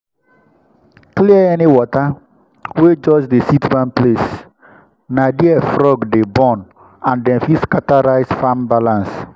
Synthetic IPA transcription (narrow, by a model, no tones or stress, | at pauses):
kliəɛniwɔta | wed͡ʒɔd͡ʒdesitbãnples | nadiɛfɹɔɡdebɔ̃n | ãndɛ̃nfiskataɹaɪsfãmbalãns